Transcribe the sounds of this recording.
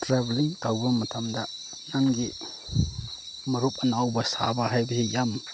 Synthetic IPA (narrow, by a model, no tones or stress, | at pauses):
tɾabliŋkawbɐmɐtʰamdɐ | naŋɡi | mɐɾupɐnawbɐsa̰baɦajbɐsijam